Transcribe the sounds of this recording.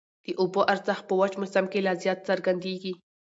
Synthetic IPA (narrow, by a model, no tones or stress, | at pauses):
d̪̥əʔʊboʔaɾzaxpəwad͡ʒmʊsamkelɑzjɑt̪saɾɡand̪eɡi